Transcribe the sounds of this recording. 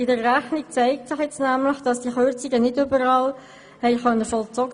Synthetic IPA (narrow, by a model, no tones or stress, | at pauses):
ɪdəːæχnik̚t͡sæɪk̚tsɪχjɛt͡snæmləχd̥ɑsd̥iəχøɾt͡sɪɡənɪdʏbəɾɑːl | hɛɪχœnːəfɔlt͡sɔɡə